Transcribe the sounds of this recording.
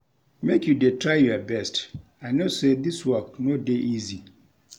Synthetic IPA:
mekjudetʰɹaɪjuabɛst | aɪnosed̪iswɔk̚nodeʔizi

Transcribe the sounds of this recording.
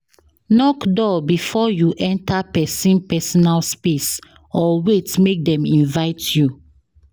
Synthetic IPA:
nɔkdɔbifɔjuʔɛ̃ntapɛsĩnpɛsɔnalspes | ɔwetmek̚dɛ̃mĩnvaɪtju

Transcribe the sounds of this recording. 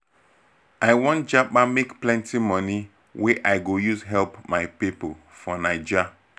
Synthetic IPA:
aɪjwɔ̃nd͡ʒaɓamekplɛ̃ntimɔ̃ni | weʔaɪɡojuzɦɛlpmaɪpipo | fɔnaɪd͡ʒa

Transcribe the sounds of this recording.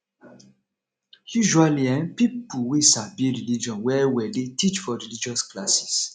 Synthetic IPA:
juʒualiɛ̃npipuwesabiɾilid͡ʒɔ̃nwɛwɛdetit͡ʃfɔɾilid͡ʒɔsklasi̥s

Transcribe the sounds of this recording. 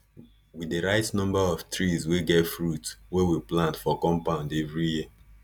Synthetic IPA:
wideɹaɪtnɔ̃mbaɔftɹizweɡɛtfɹutwewiplãntfɔkɔ̃mpãʊ̃ndevɹijiə

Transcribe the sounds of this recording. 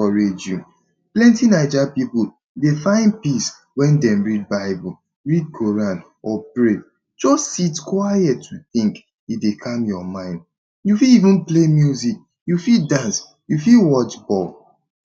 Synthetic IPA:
ɔɹed͡ʒju | plɛ̃ntinaɪd͡ʒapipu | defãɪ̃n̚pis | wɛ̃ndɛ̃mɹid̚baɪbu | ɹid̚kʰoɹãn | ɔpɹe | d͡ʒɔssitkwajɛtːuθĩŋk | idekʰãmjɔmãɪ̃nd̚ | jufilivũnplemjuzik̚ | jufildãns | jufilwɔt͡ʃbɔl

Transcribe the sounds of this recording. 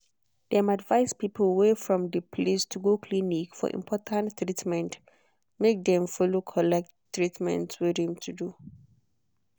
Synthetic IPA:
d̥ɛ̃madvaɪspiplwefɹɔ̃mdəpʰlistʰuɡokʰlinikfɔ̰ɹʔḭ̃mpʰɔtʰãntːɹitmɛ̃nt | mek̚dɛ̃mfɔlokʰɔlɛk̚ttːɹitmɛ̰̃ntswidɛ̃mtʰudu

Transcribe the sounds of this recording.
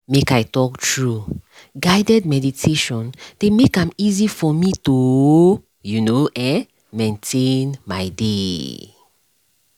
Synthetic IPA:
mekaɪtɔktʰɹu | ɡaɪdɛd̚mɛditʰeʃɔ̃nd̥emekãmizifɔmito | junoʔɛ̃n | mẽntʰẽnmaɪde

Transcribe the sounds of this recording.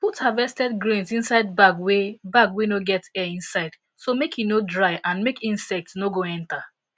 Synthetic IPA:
puthavɛstɛdɡɹĩnsĩnsaɪd̚baɡwebaɡwenoɡɛtɛĩnsaɪd | somekjinodɹaɪʔãnmekĩnsɛk̚tsnoɡoɛ̃nta

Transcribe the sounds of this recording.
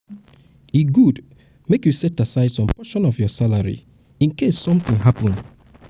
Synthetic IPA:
iɡud | mekjusɛtasaɪdsɔ̃mpɔʃɔ̃nɔvjɔsalaɹḭ | ĩnkessɔ̃mθĩŋɦapə̃n

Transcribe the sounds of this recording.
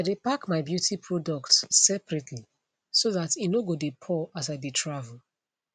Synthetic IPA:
aɪdepakmaɪbjutʰipʰɹɔdɔk̚tsɛpɹɛtʰli | soðatinoɡodepʰɔasaɪditʰɹavl̩

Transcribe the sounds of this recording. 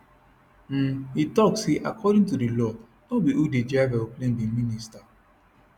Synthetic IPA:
m̩itɔksiʔa̰kʰɔdĩŋtudilɔ | ɔbiʔuded͡ʒavɛoplẽmbiminista

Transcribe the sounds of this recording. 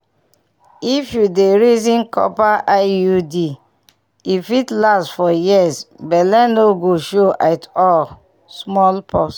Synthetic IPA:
ifjudeɹizĩnkʰɔ̰paʔajudi | ifitlastfɔjisbɛlɛ̃noɡoʃoʔatɔl | smɔlpʰɔs

